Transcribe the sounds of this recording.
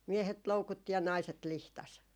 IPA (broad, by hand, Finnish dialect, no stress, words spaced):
miehet loukutːi jɑ nɑiset lihtɑs